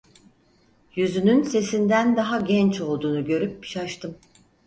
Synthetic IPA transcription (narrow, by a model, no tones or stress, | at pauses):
jyzynynse̞sind̪ænd̪aɦaɟɛnt͡ʃo̞lˠd̪uːnuɟø̞ɾyp̚ːi̥ʃaʃt̪ʰɯm